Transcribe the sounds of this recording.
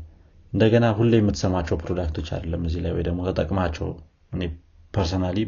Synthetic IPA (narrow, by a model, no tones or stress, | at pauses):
ʔɨnd̪əɡənaɦulːjɛmːɨt̪ːsəmːat͡ʃːɛwpɾod̪akt̪ʰo̞t͡ʃːa̰d̪əlːəmːɨzːila̰jwojd̪əɡmo̞t̪ʰət̪ʼəkʼmat͡ʃːɛ̰w | ʔɨne̞ | pʰəɾsonali